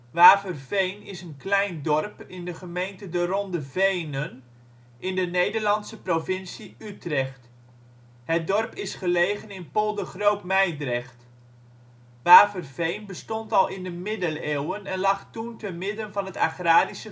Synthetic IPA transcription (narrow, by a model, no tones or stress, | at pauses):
ʋaːvərvejnɪsənklɛjndɔrpɪndəχəmejntədərɔndəvejnən | ʔɪndənejdərlɑnsəprovɪnsiytrɛχt | ɦət̚dɔrpɪsχəlejχənɪnpolˠdəχrowpmɛjdrɛχt | ʋaːvərv̥ejnbəstɔntɑlˠɪndəmɪdəleːwənɛnlɑχtuntənmɪdənvɑnɦəta̰χraːdisə